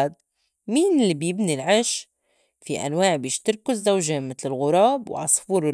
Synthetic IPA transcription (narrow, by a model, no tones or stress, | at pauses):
d̪̚ | miːnɪlːibjɪbnilʕɪʃ | fiʔa̰nwaːʕbjiːʃt̪ɪɾkʊzːawʒeːmɪt̪lɪlɣʊɾˤɑːbwʕɑ̰sˤfuːɾɪ